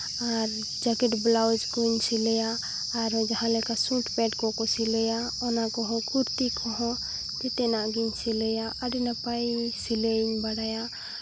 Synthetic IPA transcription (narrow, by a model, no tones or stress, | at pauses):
aɾ | d͡ʒakeʈblawd͡ʒkɔɲsilɛjaː | ɾɔd͡ʒaɦãlekasũʈpɛʈkɔkɔsileja | ɔnakɔɦɔ̃kuɾt̪ikʰɔɦɔ̃ | d͡ʒet̪enaʔɡiɲsilejaʔaɾinəpajsileɲbaɽaja